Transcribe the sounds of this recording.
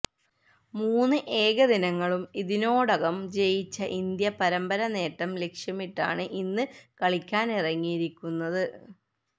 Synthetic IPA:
muːnːɨʔe̞ːɣɐðinɐŋːɐɭumiðino̞ːɽɐɣɐmt͡ɕe̞jit͡ɕːɐʔind̪jɐpɐɾɐmbɐɾɐne̞ːʈːɐmle̞kʂjɐmiʈːa̰ːɳɨʔinːɨkɐɭikʲːaːnirɐŋːijiɾikʲːunːɐðɨ

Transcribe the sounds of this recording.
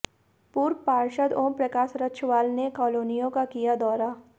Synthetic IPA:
puːɾpaːɾʃəd̪õːpɾɐkaːsɾɐtːʃʰʋaːlnekɔːloːnijõkakijad̪ɔːɾa

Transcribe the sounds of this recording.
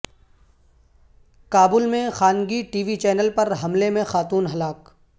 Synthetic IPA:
kaːbʊlmẽxaːnɡiʈiːʋit͡ʃɛːnəlpɐɾɦɐmlemẽxaːt̪uːnɦɐlaːk

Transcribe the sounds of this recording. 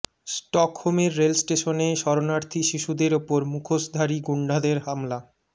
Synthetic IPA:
sʈɔkhomeɾːelsʈeʃoneʃɔɾonaɾt̪ʰiʃiʃud̪eɾopoɾmukʰoʃd̪ʱaɾiɡuɳɖʱad̪eɾɦamla

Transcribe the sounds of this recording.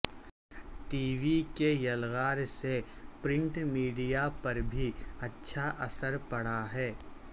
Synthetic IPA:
ʈiːʋikejɐlɣaːɾsepɾɪ̃ɳʈmiːɖijapɐɾbʱiɐtːʃʰaʔɐsəɾpɐɽ̤aɦɛː

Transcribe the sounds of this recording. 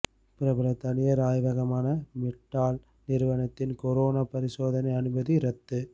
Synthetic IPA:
pɪɾɐbɐɾɐt̪ɐnɪjɐɾaːjʋɐɣɐmaːnɐmɪʈːaːl | nɪɾɯʋɐnɐt̪ːɪnkɔɾoːnaːpɐɾɪsoːðɐnɐɪɐnɯbɐðiɾɐt̪ːɯ

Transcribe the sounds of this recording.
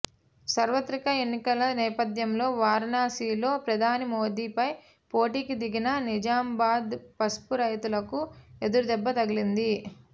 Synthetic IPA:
sɐɾʋɐt̪ɾikɐenːikɐlɐnɛːpɐd̪jɐmlo̞ːʋaːɾnaːsiːlo̞ːpɾɐd̪ʱaːnimoːd̪iːpɐj | po̞ːʈiːkid̪iɡinɐnid͡ʒaːmbaːd̪pɐspuɾɐjt̪ulɐkued̪uɾud̪ɛbːɐt̪ɐɡilind̪i

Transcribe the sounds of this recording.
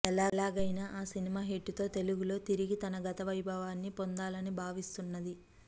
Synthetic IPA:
ɛlaːlaːɡɐjnaːʔaːsinimaːɦeʈːut̪o̞ːt̪e̞luɡulo̞ːt̪iɾiɡit̪ɐnɐɡɐt̪ɐʋɐjbʱɐʋaːnːipo̞nd̪aːlɐnibʱaːʋist̪unːɐd̪i

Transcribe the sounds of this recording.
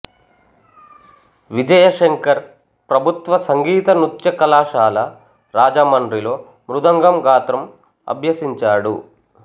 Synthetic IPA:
ʋid͡ʒɐjɐʂeŋkɐɾ | pɾɐbʱut̪ʋɐsɐŋɡiːt̪ɐnut̪jɐkɐlaːʃaːlɐ | ɾaːd͡ʒɐmɐɳɖɾilo̞ː | mɾud̪ɐŋɡɐmɡaːt̪ɾɐm | ɐ̰bʱjɐsiɲt͡ʃaːɽṵ

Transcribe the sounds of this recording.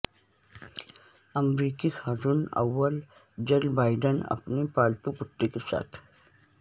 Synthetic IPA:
ɐmɾiːkixaːt̪ʊnɐ̰ʋːəl | d͡ʒelbaːɪɖənɐ̰pnepaːlpupʊʈːekesa̰ːt̪ʰ

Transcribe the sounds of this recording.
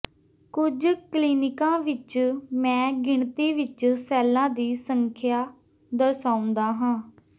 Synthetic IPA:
kʊd͡ʒkliːnɪkãːʋɪt͡ʃmɛ̃ːɡɪɳt̪iːʋɪt͡ʃsɛːlãːd̪iːsəŋkʰjaː | d̪əɾsaːʊ̃nd̪aːɦãː

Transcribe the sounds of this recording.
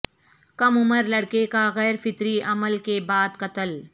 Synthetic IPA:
kɐmʊməɾlɐɽkekaɣɛːɾfɪt̪ɾiʔɐməlkebaːd̪qɐt̪əl

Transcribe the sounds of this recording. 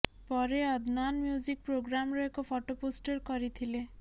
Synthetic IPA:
pɔɾeɔd̪ʱnanmjuzik̚pɾoɡɾamɾɔekofʰɔʈoposʈeɾkɔɾit̪ʰile

